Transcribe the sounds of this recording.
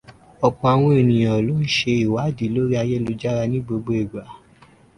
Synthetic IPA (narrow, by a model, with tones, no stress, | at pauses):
ɔ˧k͡pɔ̃˧a˧w̃ɔ̃˧e˨nĩ˨j̃ã˨lo˨˦n̩˦ʃe˧i˨wa˨˦˨di˨˦lo˦ɾi˦a˧jɛ˦lo˧d͡ʒa˦ɾa˧nĩ˦ɡ͡bo˧ɡ͡bo˧e˨ɡ͡ba˨˦